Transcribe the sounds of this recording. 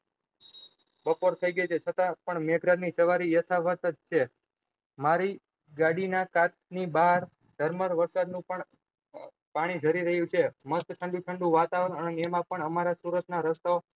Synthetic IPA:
bəpoɾt̪ʰəiɡəjt͡ʃʰet͡ʃʰət̪ãpəɳmeɡɾanisəʋaɾijət̪ʰaʋət̪ət͡ʃʰe | maɾi | ɡaɽinakat̪̚nibaɦəɾ | d̪̥ʱəɾməɾʋəɾsad̪nũpəɳ | paɽ̃id͡ʒʱəɾiɾəɦjũt͡ʃʰemət̪ʈʰəɳɖuʈ̪ʰəɳɖũʋat̪aʋɾəɳəneemãpəɳəmaɾasuɾət̪naɾəst̪ao

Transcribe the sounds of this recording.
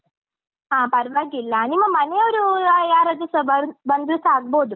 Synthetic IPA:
ɦãːpɐɾʋaɡilːaːnimɐmɐnejɐɾujaːɾɐd̪usbbɐnd̪lusaːɡboːd̪u

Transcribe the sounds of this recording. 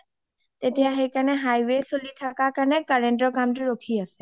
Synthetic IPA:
t̪etijaɦejkanɛɦajwesolitʰakakaɹnɛkaɹeɳʈɔkamtuɹokʰiasɛ

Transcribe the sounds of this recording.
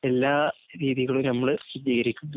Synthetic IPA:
e̞lːaːɾiːðiɣɐɭunɐmːɐɭɕidiːɣɐɾikʲːunːɐ

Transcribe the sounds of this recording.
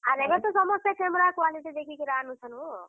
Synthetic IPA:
aɾebet̪ɔsʌmʌst̪akʰemɾakalit̪ed̪ekʰikiɾanut͡ʃʰʌnu

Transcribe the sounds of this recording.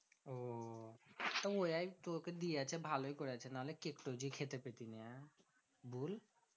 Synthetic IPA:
o | t̪ɔojajt̪oɾked̪iat͡ʃʰɛbʱaloikoɾat͡ɕʰɛnaɦolekekʈod͡ʑikʰet̪epet̪inɛã | bul

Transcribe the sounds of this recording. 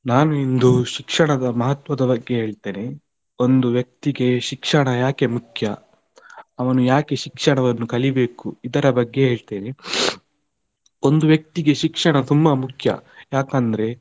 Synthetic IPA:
naːnuind̪uʃikʂɐɳɐd̪ɐmɐɦɐt̪ʋɐd̪ɐbɐɡːe̞ɦeːɭt̪e̞ːne̞ | o̞nd̪uʋjɐk̚t̪iɡe̞ʃikʂɐɳɐjaːke̞mukʰjɐ | ɐʋɐnujaːke̞ʃikʂɐɳɐʋɐnːukɐɭibe̞ːkuid̪ɐɾɐbɐɡːe̞ɦe̞ːɭt̪e̞ːne̞ | o̞nd̪uʋjɐk̚t̪iɡe̞ʃikʂɐɳɐt̪umːbɐmukʰjɐ̰jaːkɐnd̪ɐɾe̞

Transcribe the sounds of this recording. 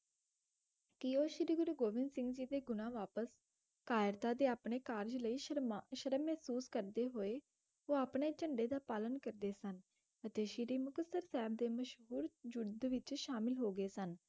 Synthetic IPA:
kioːʃɪɾiːɡʊɾuːɡoːʋɪnsɪ̃ŋɡd͡ʒiːd̪eːɡʊnãːʋaːpəs | kaːjɾt̪aːd̪eːaːpɳeːkaːɾd͡ʒləiːʃʃəɾəmːɛɦsuːskəɾd̪eːɦoːeː | oːaːpɳeːt͡ʃəɳɖeːd̪aːpaːlənkəɾd̪eːsən | ət̪eːʃɪɾiːmʊkəsəɾsɛːb̚d̪eːməʃɦuːɾd͡ʒʊɽd̪ʋɪt͡ʃʃaːmɪlɦoːɡəeːsən

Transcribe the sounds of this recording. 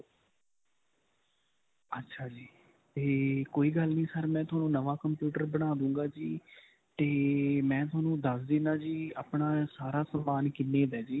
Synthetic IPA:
ətːʃʰaːd͡ʒiː | t̪eːkoːiːɡəlnĩːsəɾmɛ̃ːt̪ʰʊaːnũːnəʋaːkəmpjuːʈəɾbəɽ̃aːd̪ũːŋɡaːd͡ʒiː | t̪eːmɛ̃ːt̪ʰʊaːnũːd̪əsd̪ɪnãːd͡ʒiːa̰ːpɳaːsaːɾaːsəmːaːnkɪnːeːd̪ɛːd͡ʒiː

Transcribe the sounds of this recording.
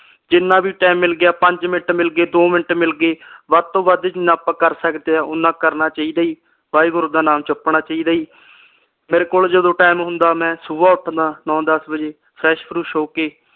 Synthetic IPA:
d͡ʒɪnːãːbʱiːʈaːmːɪlɡɪjaːpəɲd͡ʒmɪnʈmɪlɡeːd̪oːmɪnəʈmɪlɡeːʋaːd̪t̪õːʋad̪eːd͡ʒɪnːãːpãːkəɾsəkd̪eːaːʔʊnãːkəɾnaːt͡ʃaːiːd̪aːiː | ʋaːiːɡʊɾd̪aːnaːmt͡ʃʊpnaːt͡ʃaːiːd̪aːiː | meːɾeːkoːld͡ʒəd̪õːʈaːɪmɦʊ̃nd̪aːmɛ̃ːsʊːʋaːʊʈʰd̪ãːnɔ̃ːd̪əsbəd͡ʒeː | pʰɾɛːʃpʰɾuːʃoːkeː

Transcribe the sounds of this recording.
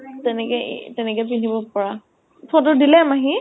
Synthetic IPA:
tɛnɛkɛ̰tɛnɛkɛp̬inibɔpɔɹa | pʰɔ̃tʊdilɛmaɦi

